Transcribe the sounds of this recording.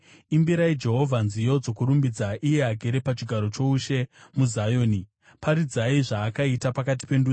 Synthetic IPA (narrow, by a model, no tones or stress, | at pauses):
imbiɾaid͡ʒe̞ɦo̞vʱanzijo̞d͡zo̞kuɾumbid͡zaʔije̞aɡʱe̞ɾe̞pat͡ʃiɡʱaɾo̞t͡ʃo̞uʃe̞muzajo̞ːni | paɾid͡zaiʐaːkaitapakat̬i̥pe̞ndu